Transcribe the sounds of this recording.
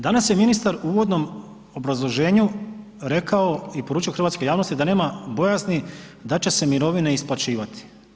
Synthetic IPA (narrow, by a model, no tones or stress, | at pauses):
d̪anasje̞minist̪aɾuːʋod̪no̞m | o̞bɾazlˠo̞ʒe̞ːɲu | ɾe̞kao̞ipo̞ɾuːt͡ʃio̞xr̩ʋat̪sko̞jaːʋno̞st̪id̪ane̞ːmabo̞jaznid̪at͡ɕe̞se̞miɾo̞ʋine̞isplˠat͡ʃiːʋat̪ʰi̥